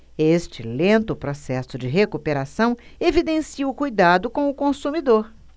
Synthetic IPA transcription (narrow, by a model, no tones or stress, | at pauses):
est͡ʃɪlẽnt̪ʊpɾɔsɛsʊd͡ʒɪɦekupeɾasɐ̃w̃evid̪ẽsiʊkujd̪ad̪ʊkõw̃ʊkõsumid̪oɾ